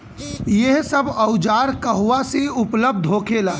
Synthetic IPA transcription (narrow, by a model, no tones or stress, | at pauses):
jeɦsəbəʊd͡ʒaːɾkəɦuʋasiʊpləb̚d̪ʱɦoːkelaː